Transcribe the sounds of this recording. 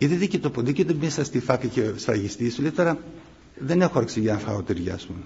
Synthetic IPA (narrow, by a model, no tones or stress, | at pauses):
et̪iðicet̪opod̪icet̪omisɐst̪ifɐkɐcesɾɐ̰ʝist̪isolit̪oɾɐ | ðene̞xoɐɾksiʝɐnfɐ̰ot̪iɾʝɐ̰su